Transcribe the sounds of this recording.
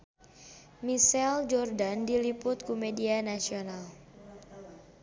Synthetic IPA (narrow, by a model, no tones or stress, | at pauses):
misɛld͡ʒɔrdandilipʊt̪̚kumedianasional